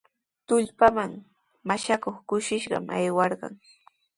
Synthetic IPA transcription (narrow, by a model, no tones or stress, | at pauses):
t̪ʊʎpamaŋ | maʃakoχkʊʃɪʃɢɑ̰mʔajwɑɾɢɑ̰ŋ